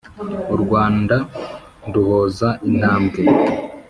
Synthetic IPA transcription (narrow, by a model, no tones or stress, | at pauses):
uɾɡwaːnda | nduhoːzaʔinaːmɡe